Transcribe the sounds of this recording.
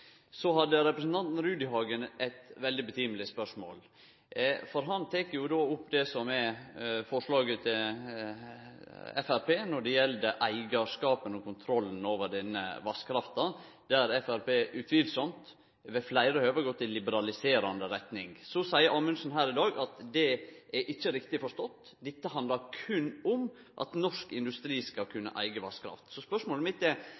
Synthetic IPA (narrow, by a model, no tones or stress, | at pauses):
sɔɦɑd̪ːəɾɛpɾəsn̩t̪ɑnt̪n̩ɾʉːd̪ɪhɑːɡənɛt̪ʋɛld̪ɪbət̪ʰiːməlɪspœʂmo̰ːl | fɔɾɦɑnt̪ʰeːkəɾjʊd̪oːʊpːd̪ɛsɔmɛfɔʂɭɑːɡət̪ʰɪl | ɛ̰fæɾpʰeːnɔɖɛjɛld̪əʔæɪɡɑʂkɑːpənɔkʊnt̪ʰɾɔlːn̩oːʋəɖɛnːə̰ʋɑskʰɾɑft̪ɑ | d̪̥ɛæɾɛfæɾpeːʔʉt̪ʰʋiːlsɔmt̪ | ʋɛflæɪɾəhøːʋəɡɔt̪ʰːɪlːɪbəɾɑlɪseːɾɑnd̪əɾɛt̪nɪŋsɔsæɪəɾʔɑːmʉnsnɦæːɾɪd̪ɑːɡɑt̪d̪ɛʔæʔɪçːəɾɪkt̪ɪfɔʂt̪ɔt̪ː | d̪ɛt̪ːəɦɑnd̪lɑɾkʰʉnːʊm | ʔɑ̰t̪nɔʂkɪnd̪ʉst̪ɾiːskɑlkʰʉnːə̰ʔæ̰ɪɡəʋɑskɾɑ̰ft̪sɔspœʂmoːləmɪt̪ːɛ